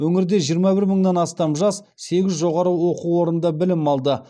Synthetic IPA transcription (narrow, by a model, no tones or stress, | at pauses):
wɵŋɪɾd̪e̞ʒijəɾmɑbɪɾməɴd̪ɑnɑst̪ɑmʒɑs | se̞ɡʲɪzʒo̞ʁɑɾəwo̞quwo̞ɾənd̪ɑbɪlɪmɑlˠd̪ə